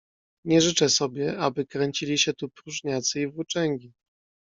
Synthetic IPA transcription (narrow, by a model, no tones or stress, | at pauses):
ɲɛʐɘt͡ʂɛsɔbʲjɛʔabɘkɾɛɲt͡ɕilʲiɕɛt̪upɾuʐɲat̪sɘivut͡ʂɛŋɡʲi